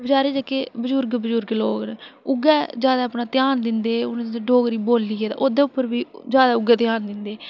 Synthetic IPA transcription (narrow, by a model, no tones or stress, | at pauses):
bəd͡ʒaːɾeːd͡ʒakeːbəd͡ʒʊɾɡbəd͡ʒʊɾɡloːknːʊɡɛːd͡ʒjaːd̪aːəpnaːt̪ɪjaːnd̪ɪnd̪eːʊnẽɖoːɡɾiːboːlːiːɡeːd̪a̰ːʔoːd̪ẽːʊpːəɾʋiːd͡ʒjaːd̪aːʊɡɛːt̪ɪjaːnd̪ɪnd̪eː